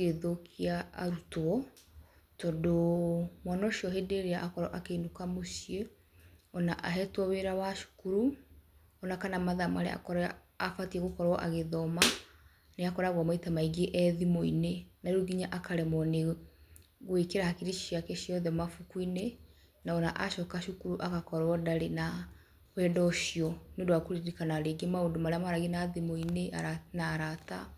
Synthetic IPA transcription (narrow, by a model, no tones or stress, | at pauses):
eðokʰia̰ːɾutwɔ | tɔdomanɔʃiɔɦedeɾeaʔakɔɾɔ̰ʔakenokamoʃie | ɔnaʔaɦɛtwɔweɾawaʃu̥kuɾu | ɔnakanamaðamaɾḛa̰kɔɾ | afatiɛɣokɔɾwɔʔaɣeðɔma | neakɔɾaɣwamaitamaiɣeʔɛðimoinenauɡiɲaʔakaɾɛmɔne | ɣwekeɾahakiɾiʃjakɛʃiɔðɛmafukuine | naɔna̰ʔaʃɔkaʃukuɾuʔakakɔɾɔdaɾena | wɛdɔʃiɔneodowakuɾiɾikanaɾeɡemaondomaɾeamaɾaɣinaðimoineʔaanaɾata